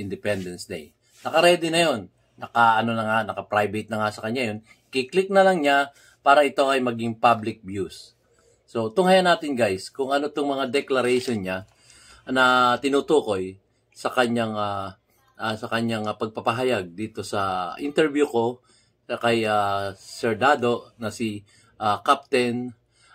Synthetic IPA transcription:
ʔɪnd̪ɪpɛnd̪ɛnsd̪ɛ̰j | nɐkɐɾɛd̪ɛnɐjo̞nː | ɐkaʔɐno̞nɐŋanɐkɐpɾajbɐjt̪nɐŋasɐkɐɲajo̞n | kiklɪk̚nɐlɐŋɲa | paːɾɐʔɪt̪oʔɐjmɐɡiŋpablɪk̚bjusː | o̞t̪ʊŋhajanaːt̪ɪnɡajskʊŋɐnot̪oŋmɐŋad̪ɛklɐɾɛjʃonɲa | nɐt̪ɪnut̪uːko̞j | sɐkɐɲaŋa | ʔasɐkɐɲaŋpɐɡ̚pɐpɐɦɐjaɡ̚d̪iːt̪o̞sɐʔɪnt̪ɛɹbjuko̞ | kɐjasɛɹd̪ad̪o̞nɐsɪ | ʔakap̚t̪ɛn

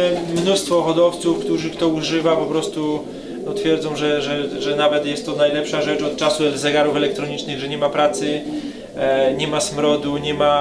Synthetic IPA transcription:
mnust̪fɔxɔd̪ɔft̪sufkt̪uʐɘkt̪ɔuʐɘvapɔpɾɔst̪u | nɔt̪fʲjɛɾd̪zɔ̃w̃ʐɛʐɛʐɛnavɛt̪jɛst̪ːɔnajlɛpʂaʐɛt͡ʂɔt̪̚t͡ʂasuɛzɛɡaɾufɛlɛk̚t̪ɾɔɲit͡ʂnɘɣʐɛɲɛmapɾat̪sɘ | ɲɛmasmɾɔd̪uɲɛma

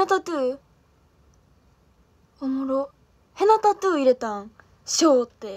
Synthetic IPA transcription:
at̪at̪ɯː | omoɾo | henat̪at̪ɯːiɾet̪ãŋ | ɕoːt̪ːe

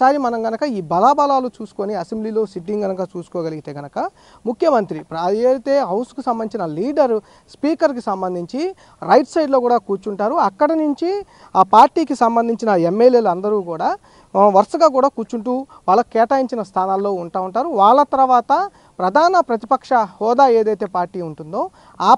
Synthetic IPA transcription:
aːɾimɐnɐmɡɐnɐkɐiːbɐlaːbɐlaːlut͡ʃuːsu̥koniɐsembliːlo̞ːsiʈ̬ːiŋɡɡɐnɐkaːt͡ʃuːsu̥kɔːɡɐliɡit̪e̞ːɡɐnɐkɐ | mukʰjɐmɐnt̪ɾipɾɐeːɽit̪e̞ːɦɐwsu̥kusɐmbɐnit͡ʃinɐliːɖɐɾ | spiːkɐɾk̬isɐmbɐnd̪ʱiɲt͡ʃi | ɾɐjʈsɐjɖlo̞ːkuːɽaːkuːɾt͡ʃuɳʈaːɾuɐkːɐɽɐnuɲt͡ʃi | aːpaːɾʈiːkisɐmbɐnd̪ʱiɲt͡ʃinɐemːeljeːlɐnd̪ɐɾuːkuːɽaː | ʋɐɾʂɐɡaːk̬uːɽaːkuːɾt͡ʃuɳʈuːʋaːɭːɐkkɛːʈaːjiɲt͡ʃinɐst̪ʰaːnaːlːo̞ːuɳʈaːuɳʈaːɾuʋaːɭːɐt̪ɐɾɐʋaːt̪ɐ | pɾɐd̪ʱaːnɐpɾɐt̪ipɐkʂɐhɔːd̪aːe̞ːd̪ɐjt̪e̞ːpaːɾʈiːuɳʈund̪o̞ː | aː

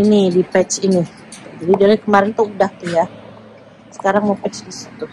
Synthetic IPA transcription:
inidipɛt͡ʃini | d͡ʒadidalɛkəmaɾɪnt̪oʔudaht̪uja | sə̥kaɾaŋmapɛt͡ʃdisi̥t̪u

